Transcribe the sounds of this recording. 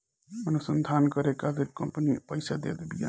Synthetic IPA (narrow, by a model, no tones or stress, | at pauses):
ənusənd̪ʱankəɾekaleɾkəmpnipəjsad̪ḛd̪bija̰